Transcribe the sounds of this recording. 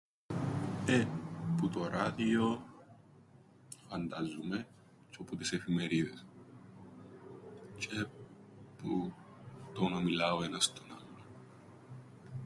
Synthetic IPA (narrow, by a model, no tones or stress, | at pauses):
eput̪oɾaðio | fɐnd̪azume | t͡ʃoput̪isefimeɾiðes | t͡ʃʼe | pu | t̪onɐmilaoenɐst̪onalːo